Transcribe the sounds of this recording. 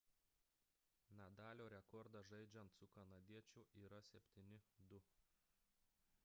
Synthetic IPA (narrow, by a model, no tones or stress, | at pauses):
nʲɛd̪ɑːlʲoːɾʲɛkɔɾd̪ɑʒɐɪd͡ʒʲɛnt̪sʊkɐnɐd̪ʲiɛt͡ʃʲʊʔiːɾɐsʲɛpʲt̪ʲiːnʲɪd̪ʊ